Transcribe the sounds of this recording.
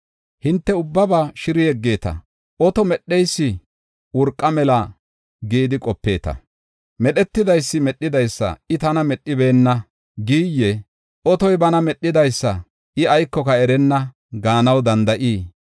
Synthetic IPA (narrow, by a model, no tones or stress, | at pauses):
hɪnt̪ːɛʊbːɐbaːʃɪɾɪjɛɡːe̞ːt̪ɐ̰ | ʔɔt̪ɔmɛɗːɛjsːɪ | wʊɾkʼːɐmɛlɐ | ɡiːd̪ɪkʼɔpːe̞ːt̪ɐ̰ | mɛɗɛt̪ːɪd̪ɐjsːɪmɛɗːɪd̪ɐjsːɐ̰ɪt̪ɐnɐmɛɗːɪbe̞ːnːɐ | ɡiːjːɛ | ʔɔt̪ɔjbɐnɐmɛɗːɪd̪ɐjsːɐ | ɪɐjkːɔkɐɛɾɛnːɐ | ɡaːnɐwd̪ɐnd̪ɐʔiː